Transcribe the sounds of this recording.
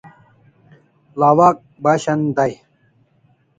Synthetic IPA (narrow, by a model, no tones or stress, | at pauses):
laːwaːk̚baːɕɐnd̪ɐj